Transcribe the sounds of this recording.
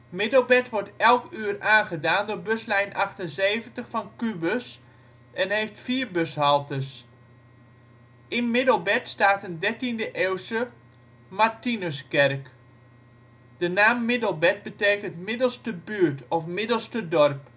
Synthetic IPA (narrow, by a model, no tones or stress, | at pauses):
mɪdəlˠbɛtʋɔɹtɛlˠkyːəraːnχədaːndʊɹbøslɛjnʔɑχtənzeːvəntəχfɑnkybəs | ɛnɦeːftfiːɹbøshɑlˠtəs | ɪnmɪdəlˠbɛtstaːtəndɛrtindəʔewsə | martinəskɛrk | d̥ənaːmːɪdəlˠbɛt̚bəteːkəntmɪdəlˠstəbyːətɔfmɪdəlˠstədɔrp